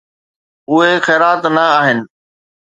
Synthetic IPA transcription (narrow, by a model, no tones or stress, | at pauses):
ʊɦexɛːɾaːt̪nɐaːɦɪnɪ̆